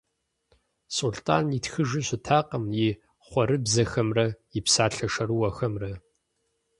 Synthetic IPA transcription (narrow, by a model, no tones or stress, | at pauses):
sultʰʼa̰ːnitxɨʒɪɕɪtʰaːqɐmjɪ | χʷɔɾɨbzɐxɐmrɐjɪpsaːɬɐʂɐɾɨwɐxɐmrɐ